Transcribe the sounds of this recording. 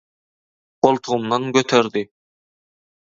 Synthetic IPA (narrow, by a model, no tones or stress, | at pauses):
b̥olˠt̪ʰuʁʊmnɑŋɡʲøt̪ʰøɾd̪ɪ